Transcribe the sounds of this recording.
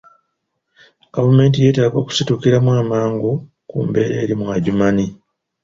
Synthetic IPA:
ɡ̥avume̞ːntije̞ːtaːɡo̞ːku̥situkiɾamwaːmaːŋɡu | kṵmbe̞ɾeːɾimwaɟumani

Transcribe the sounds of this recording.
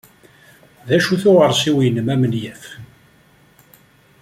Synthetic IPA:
ðæʃuθʊʁəɾˤsiwjənːəmæmənjæf

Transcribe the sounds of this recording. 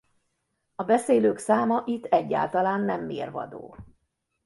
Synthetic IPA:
ɒbɛseːløːksaːmɒʔit̪ːɛɟːa̰ːlt̪ɒlaːnːɛmːeːrvɒ̰d̪o̰ː

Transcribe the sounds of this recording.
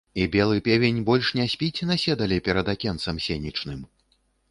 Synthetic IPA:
ibʲɛlˠɨpʲɛvʲenʲbɔlʲʂnʲɛsʲpʲit͡sʲnasʲɛd̪ɐlʲipʲɛɾɐd̪akʲɛnt̪sɐmsʲenʲit͡ʂnɨm

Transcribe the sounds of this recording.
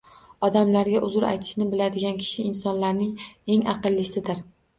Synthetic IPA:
ɒd̪amlaɾɡʲaʔʊzʊɾa̰jt̪ʰɪ̥ʃnɪbɪlad̪ɪɡʲankʲʰɪ̥ʃɪːnsɒnlaɾnɪŋe̞ŋɑ̰qɨlˠːɪsɪd̪ɪɾ

